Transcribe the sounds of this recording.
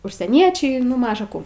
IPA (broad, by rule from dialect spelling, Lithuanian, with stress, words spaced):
ʊʃʲsʲiɛˈnʲiɛt͡ʃʲɛɪ nʊ ˈmɑːʒɐ kuː